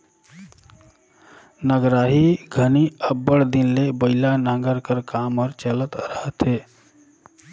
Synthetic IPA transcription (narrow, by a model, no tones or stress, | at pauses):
nəɡɾaːɦiɡʱəniəbːəɽd̪ɪnlebəɪlanãːŋɡəɾkəɾkaːmɔːɾt͡ʃələt̪ɾəɦət̪ɦeː